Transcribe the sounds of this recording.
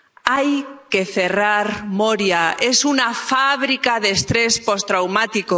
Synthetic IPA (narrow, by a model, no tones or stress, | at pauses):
ajke̞θe̞raɾmoɾjae̞sunafaβ̞ɾikaðest̪ɾe̞spo̞st̪ɾawmat̪iko